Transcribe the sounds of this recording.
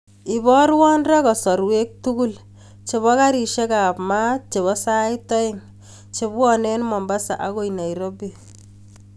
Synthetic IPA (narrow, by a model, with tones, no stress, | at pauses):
i˨bɔ˦ɾwɔ˦nrɛ˦kɔ˨sɔ˨ɾwe˦k̚tu˦ku˦l | t͡ʃe˨βɔ˦ka˦ɾi˨ʃe˦ka˨pma˦t͡ʃe˨βɔ˦sa˦ɪtɔ˦ɪŋ | t͡ʃe˨bɔnɛ˦nmɔ˨mba˦sa̰˨ʔa˦ko˦ina˨iɾɔ˦bi